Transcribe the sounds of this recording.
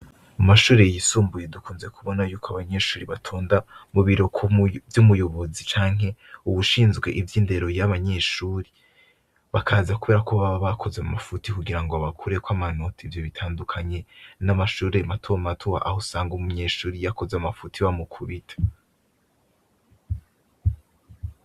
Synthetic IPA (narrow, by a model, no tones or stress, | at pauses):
amaʃuːɾejisuːmbuje̞dukuːnze̞kʰuβo̞najuːkʰoaβaɲe̞ʃuːɾiβatʰoːndamuβiɾo̞kʰvjumujo̞βozit͡ʃaːŋ̥ɦe̞uβuʃiːnzɡwe̞ʔivjiːnde̞ɾo̞jaβaɲe̞ːʃuːɾe | βakʰaːzakuβe̞ɾakoβaβaβakʰo̞zamafutikuɡiɾaŋɡoaβakʰuɾe̞kwamano̞tʰiivjo̞βitʰaːndukʰaɲe̞namaʃuːɾematʰomatʰowa̰ʔahosaːŋɡumuɲe̞ʃuːɾijako̞zeamafutʰiβamukʰuβitʰḁ